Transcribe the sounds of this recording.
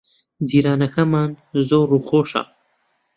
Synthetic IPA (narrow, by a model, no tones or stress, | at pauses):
d̪iɾɑːnaxamaːnzoɾuxoʂa̰